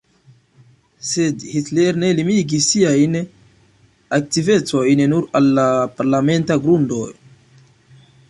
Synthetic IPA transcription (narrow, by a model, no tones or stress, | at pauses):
se̞dhitle̞ɾne̞limiɡisiajn | ak̚tive̞t͡so̞jnnuɾalːapaɾlame̞ntaɡɾundo̞j